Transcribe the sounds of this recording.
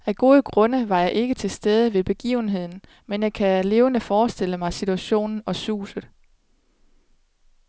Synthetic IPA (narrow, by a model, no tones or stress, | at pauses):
æɡ̥o̝ːðˠəɡ̥ʁɔ̽nəʋɑ̈jɑ̈ɪʔe̝ɡ̥ət͡sʰe̝lsd̥eð̞ˠəʋe̝b̥e̝ɡ̥ḭːʊn̩ɦe̝ð̞̰ˠn̩ | menjɑ̈ɪkʰæle̝ːʊənəfɒːsd̥e̝l̰əmɑ̈ɪsit͡sʰuæɕo̝̰ːnn̩ɒ̽sṵːsəð̩ˠ